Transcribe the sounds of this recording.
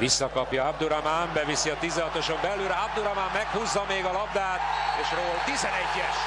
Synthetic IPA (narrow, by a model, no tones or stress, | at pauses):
visːɒkɒpjɒabd̪uɾamaːmbɛvisiɒt̪izɛɦɒt̪o̞ʃo̞mbɛlːyɾab̚d̪uɾɒmaːmːɛkhuzːɒmeːɡɒlɒb̚d̪aːt̪eːʃroːlt̪izɛnɛɟːɛʃ